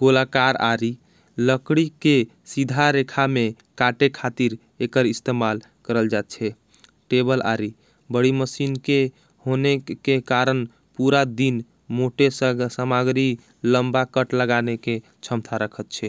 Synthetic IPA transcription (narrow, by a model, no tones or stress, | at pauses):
ɡ̥olakaɾa̰ɾi | ləkɽike | sid̪ʱaɾekʰame | kaʈekʰat̪iɾ | ekəɾist̪emal | kəɾəld͡ʒat̪̚t͡ʃʰɛ | ʈebəla̰ɾi | bəɽiməsinke | honekekaɾən | puɾad̪in | moʈessəmaɡɾi | ləmbakəʈləɡaneke | t͡ʃʰəmt̪ʰaɾəkʰət̪t͡ʃʰɛ